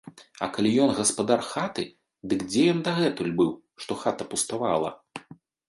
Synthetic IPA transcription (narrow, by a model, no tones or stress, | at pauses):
ɐkalʲijɔnɣɐspad̪arxat̪ɨ | d̪ɨkd͡zʲɛjɔnd̪ɐɣɛt̪ulʲbɨw | ʂt̪ɔxat̪ɐpust̪avalˠɐ̰